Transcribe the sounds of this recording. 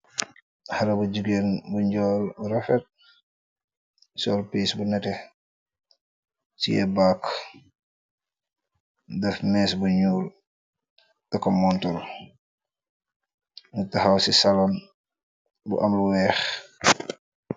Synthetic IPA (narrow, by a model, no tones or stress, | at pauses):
hɐɾɐbuɟuɡenbuɲɟɔːlbuɾɐfɛt̚ | sɔːlpiːsbunɛtɛ | tḭjɛ̰baːk | dɐfmɛːsbuɲuːl | tɐkːɔmɔntɔl | mutɐxawsisalɔn | bṵʔɐmluwɛːx